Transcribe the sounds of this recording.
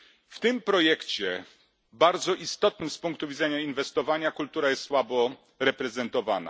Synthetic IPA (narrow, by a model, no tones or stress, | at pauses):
ft̪ɘmpɾɔjɛkt͡ɕɛ | baɾd̪zɔʔist̪ɔt̪̚nɘmspuŋk̚t̪uvʲidzɛɲainvɛst̪ɔvaɲakult̪uɾajɛst̪swabɔ | ɾɛpɾɛzɛnt̪ɔvana̰